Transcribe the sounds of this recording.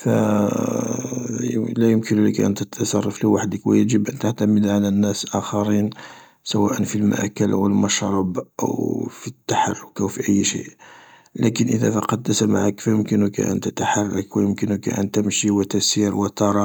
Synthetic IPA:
fæ | læjʊmkənləkʔə̰nt̪ət̪sˤɑrˤːɑfliwaħəd̪əkwæjəʒəbʔænt̪aʕt̪aməd̪ʕalænːæsʔæxɑɾin | səwæʔənfilma̰ʔkːəlʔwəlmɑʃɾˤɑbʔə̰wfit̪ːaħarˤːʊkæwfiʔəjːʃḭʔ | lækənʔəðæ̰fɑqɑd̪ːəsamaʕakfæjʊmkənʊkʔə̰nt̪ət̪aħarˤːɑkwəjʊmkənʊkʔæ̰nt̪əmʃiwət̪æsiɾwət̪ɑɾˤɑ

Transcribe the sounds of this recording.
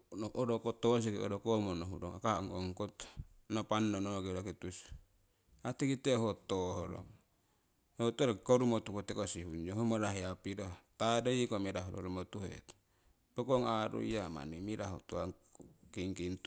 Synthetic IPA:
nooɾokot̪os̬ikeoɾokomonoɦṵdoŋakaŋoŋkot̪nopanːonoɡeɾokit̪us | at̪ikit̪eɦot̪oɦoɾo̰ | hot̪oɾkoɾumot̪ukot̪ekosihund͡ʒoɦomaɾaɦiapidot̪adaikomeɾaɦṵɾo̰ɾomot̪uhḛt̪ | pokoŋaɾṵijama̰nimiɾaɦṵt̪oakiŋkint̪u

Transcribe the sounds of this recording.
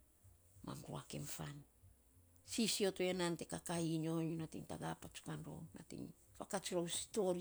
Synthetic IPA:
ma̰mɾua̰ke̞mfan | sisio̞toe̞nante̞kakaiɲo̞junatiŋta̰ɡapat͡ʃu̥kanɾo̰na̰tḭŋ | fakat͡ʃiɾawsi̥tol

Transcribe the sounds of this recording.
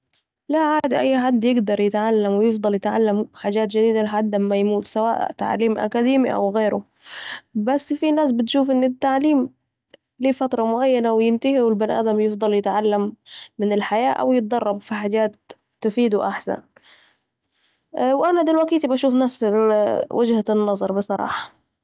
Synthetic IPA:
laʕaːd̪iʔajːħad̪ːjɪɡd̪ɑɾˤjɪt̪ʕalːamwɪjɪfd̪ˤɑljɪt̪ʕa̰lːamħaːd͡ʒaːt̪d͡ʒɪd̪iːd̪alɪħad̪ːamajmuːt̪sawa̰ːʔt̪a̰ʕliːmʔa̰kad̪iːmiʔa̰wɣeːɾʊ̰ | basːfinaːsbɪt̪ʃuːfʔɪnːɪt̪ːaʕliːm | liːfat̪ɾˤɑmʊʕajːanawjɪnt̪ahiwɪlbɪnʔa̰ːd̪amjɪfd̪ˤɑljɪt̪ʕalːamːɪnɪlħajaːʔa̰wjɪt̪̚d̪ˤɑrˤːɑbfiħaːd͡ʒaːt̪̚ː | ɪfiːd̪uʔaħsa̰n | wʔanad̪ɪlwakiːt̪ibaʃuːfnafsɪwɪd͡ʒhanːɑzˤɑɾˤbɨsˤɑɾˤɑ̰ːħɑ̥

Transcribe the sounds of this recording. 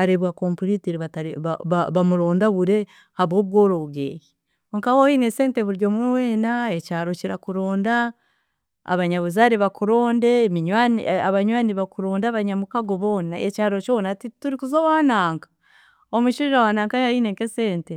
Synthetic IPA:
aɾeβwako̞mpuliteɾiβataɾiβaβaβamuɾo̞ːndaβuɾe̞ | haβwoːβɡo̞ɾo̞βuɡḛːji | ŋkawohinese̞ːnteβuɾjomuweːnaecaːɾo̞ciɾakuɾo̞ːnda̰ː | βaɲaβuzaːɾiβakuɾo̞ːnde̞ːmiɲwaniaβaɲwaːniβakuɾo̞ːndaβaɲamukaɡo̞βo̞ːnaecaːɾot͡ʃonatituɾikuzowaːnaːŋkḁ | omuʃiʒawaːnaːŋkajaiːneŋkese̞ːnte

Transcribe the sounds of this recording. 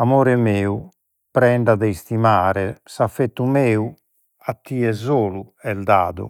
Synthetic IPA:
amoːɾɛmeːu | pɾɛɳɖaðɛist̪imaːɾɛsafːet̪ːumɛːu | at̪ːiːɛzoːluɛld̪a̰ːðṵ

